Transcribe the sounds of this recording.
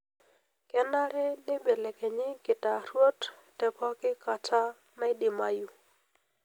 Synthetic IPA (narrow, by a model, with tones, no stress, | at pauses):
kɛ˦na˦ɾɛ˦nɪ˦be˨le˨ke˨ɲɪ˦kɪ˨ta˨ɾwo˦t | tɛ˨pɔ˦kɪ˦ka˨t͡ʃa˦ | ma˦ɪ˦dɪ˨ma˨ju˨